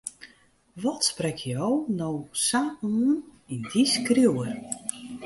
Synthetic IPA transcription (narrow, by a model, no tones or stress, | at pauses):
ʋɔtsprɛkʰjownowsaːʔ | indiskrjuwər